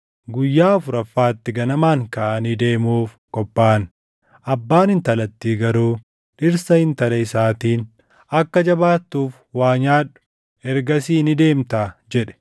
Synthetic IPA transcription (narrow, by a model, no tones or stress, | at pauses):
ɡʊjːaːɔfʊɾɐfːaːt̪ːɪɡɐnɐmaːŋkɐʔɐniːd̪e̞ːmuːf | kɔpːaːn | ɐbːaːnɪnt̪ɐlɐt̪ːiːɡɐɾuː | ᶑɪɾsɐhɪnt̪ɐlɐɪsaːt̪iːn | ɐkːɐd͡ʒɐbaːt̪ːuːf | waːɲaːᶑʊ̥ | ɛɾɡɐsiːnɪd̪e̞ːmt̪aːd͡ʒɛᶑɛ̥